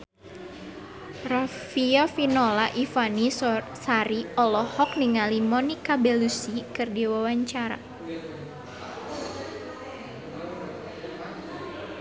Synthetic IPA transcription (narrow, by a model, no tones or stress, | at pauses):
rafiɔfinɔlaʔifani | saɾiɔlɔhɔk̚niŋalimɔnikabɛlusikɨrdiwawaɲt͡ʃaɾa̰